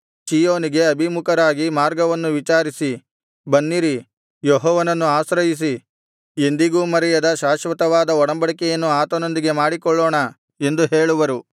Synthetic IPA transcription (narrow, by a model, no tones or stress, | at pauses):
t͡ʃiːjoːniɡe̞ɐbʱimukɐɾaːɡimaːɾɡɐʋɐnːuʋit͡ʃaːɾisi | bɐnːiɾi | jɔɦɔːʋɐnɐnːuaːsɾɐjis̬i | e̞nd̪iɡuːmɐɾɛjɐd̪ɐʃaːʃʋɐt̪ɐʋaːd̪ɐɔɽɐmbɐɽikɛjɐnːuaːt̪ɐno̞nd̪iɡe̞maːɽikɔɭːɔːɳɐ | e̞nd̪uɦeːɭuʋɐɾu